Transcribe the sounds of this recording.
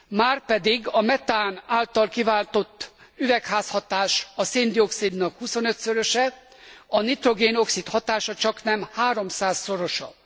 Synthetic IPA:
maːrpɛd̪iɡɒmɛt̪aːnaːlt̪ɒlkivaːlt̪o̞t̪ːyvɛkhaːshɒt̪aːʃɒseːnd̪io̞ksid̪nɒkhuso̞nøt̪søɾøʃɛ | ɒnit̪ro̞ɡeːno̞ksit̪hɒt̪aːʃɒt͡ʃɒknɛmhaːɾo̞msaːsːo̞ɾo̞ʃɒ̰

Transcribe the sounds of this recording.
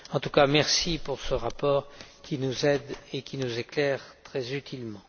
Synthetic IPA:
ɑ̃t̪ukamɛʁsipuʁsəʁapɔːʁkʲinuzɛd̪ekʲinuzeklɛʁt̪χɛzyt̪ʰilmɑ̃

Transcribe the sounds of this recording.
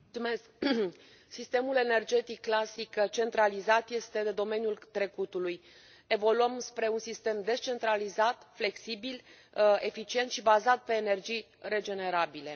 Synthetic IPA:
t̪umesk | sist̪e̞mule̞ne̞rd͡ʒe̞t̪ikːlasikt͡ʃe̞nt̪ɾalizat̪je̞st̪e̞d̪e̞d̪o̞me̞njult̪ɾe̞kut̪uluj | e̞vo̞luəmspɾe̞unsist̪e̞md̪e̞st͡ʃe̞nt̪ɾalizat̪fle̞ksibil | e̞fit͡ʃie̞nt̪ʃibazat̪̚pe̞ːne̞rd͡ʒij | re̞d͡ʒe̞ne̞ɾabile̞

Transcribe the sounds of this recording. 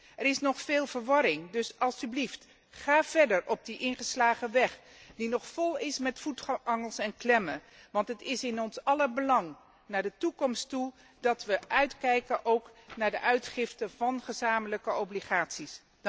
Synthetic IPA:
ɛɾɪsnɔχfeːlˠvəɹʋɑɾɪŋdɵsɑlˠsyblift | χaːv̥ɛɹdəɹɔb̚diʔɪnχəslaːχəʋɛχ | dinɔχfɔlˠɪsmɛtfutɑŋəlˠsɛnklɛmə | ʋɑntɦətɪsɪnɔnsɑləbəlɑŋ | naːɹdətukɔmstu | dɑtʋəʔœɥtkɛjkənʔowknaːɹdəʔœɥtχɪftəvɑnχəzaːmələkəobliχaːtsis

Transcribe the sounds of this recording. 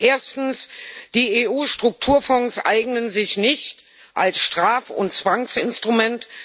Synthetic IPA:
ʔeːɐstn̩sd̥iːeːʔuːʃtʁ̥ʊk̚tʰuːɐfɔŋsʔa̰ɪɡnənzɪçnɪçt | ʔalsʃtʁ̥aːfʊ̰nt͡sv̥aŋsɪnstʁ̥umɛnt

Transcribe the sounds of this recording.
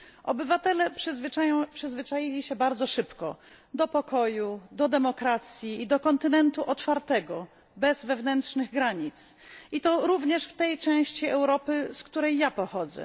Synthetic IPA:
ʔɔbɘvat̪ɛlɛʂvajpʂɘzvɘt͡ʂajilʲiɕɛbaɾd̪zɔʂɘpkɔ̰ | d̪ɔpɔkɔjud̪ɔd̪ɛmɔkɾat̪sʲjiːd̪ɔkɔnt̪ɘnɛnt̪uʔɔt̪faɾt̪ɛɡɔ | bɛzvɛvnɛntʂnɘɣɡɾaɲit̪sʔit̪ɔɾuvɲɛʂft̪ɛjt͡ʂɛ̃w̃ɕt͡ɕiɛwɾɔpɘskt̪uɾɛjːapɔxɔd̪zɛ̰

